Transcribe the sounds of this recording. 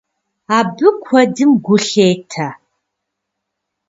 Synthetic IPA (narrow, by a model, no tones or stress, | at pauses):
aːbɨkʷʰɐdɨmɡʷʊɬeːtʰa